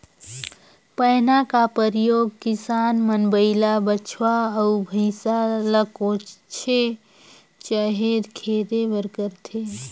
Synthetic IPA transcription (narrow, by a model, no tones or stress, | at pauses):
pəjnakapəɾijoːɡ̚kɪsaːnmənbəɪlabət͡ʃʰwaəubʱəɪsaləkot͡ʃt͡ʃʰe | t͡ʃəɦed̪kʰed̪ebəɾkəɾt̪ʰe